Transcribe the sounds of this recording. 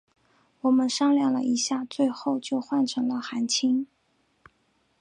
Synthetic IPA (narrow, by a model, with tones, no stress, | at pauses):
wɔ˨˩mə˦nʂɑ˥ŋljɑ˥˩lə̰˩ʔi˧˥ɕja˥˧t͡swe˥˧ɪxo˥˧ʊt͡ɕjo˥˧ʊxwa˥˩nʈ͡ʂʰɤ˧˥ŋlə˧xa˧˥nt͡ɕʰi˥ŋ